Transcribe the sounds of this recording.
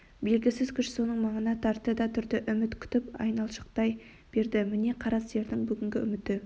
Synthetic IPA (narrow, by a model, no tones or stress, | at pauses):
be̞lɡʲɪsɪzkʲʰʏʃso̞nəɴmɑɴənɑt̪ʰɑɾt̪əd̪ɑt̪ʰʏɾd̪ɪʔʏmɪt̪kʲʰʏ̥t̪ɪpɑ̰jnɑlˠʃə̥q̚t̪ɑj | b̥e̞ɾd̪ɪmɪne̞qʰɑɾɑse̞ɾd̪ɪŋbʏɡʲɪŋɡʲɪʏmɪt̪ɪ